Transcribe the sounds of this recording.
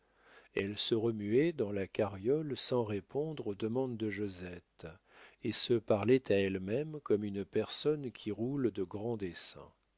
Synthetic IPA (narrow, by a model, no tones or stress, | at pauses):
ɛlsəʁəmyɛd̪ɑ̃lakaʁjɔlsɑ̃ʁepʰɔ̃d̪ʁod̪əmɑ̃d̪ːəʒozɛt̪ | esəpaʁlɛt̪ʰaɛlmɛmkɔmynpɛʁsɔnkʲʰiʁuld̪əɡʁɑ̃d̪esɛ̰̃